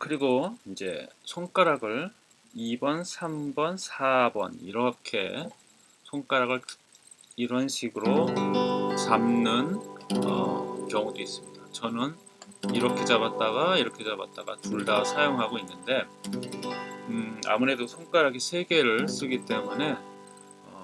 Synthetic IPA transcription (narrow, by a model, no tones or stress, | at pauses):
kɯɾiɡoind͡ʑe̞̰sʰoŋk͈aɾaɡɯɭ | ibʌnsʰambʌnsʰabʌ̰nḭɾʌkʰe̞̰ | sʰoŋk͈aɾaɡɯɭ | iɾʌnɕʰiɡɯɾo | t͡ɕamnɯnʌ̰kjʌŋudois͈ɯmɲidat͡ɕʌnɯn | iɾʌkʰe̞t͡ɕaβat̚t͈aɡaiɾʌkʰe̞t͡ɕaba̰t̚t͈a̰ɡatuɭdasʰajoŋɦaɡoinːɯnde̞ | a̰muɾe̞dosʰoŋk͈aɾaɡisʰe̞ɡe̞ɾɯɭs͈ɯɡit͈e̞mune̞ | ʌ